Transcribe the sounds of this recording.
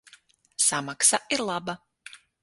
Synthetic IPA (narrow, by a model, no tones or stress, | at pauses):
samaksaiɾlˠaba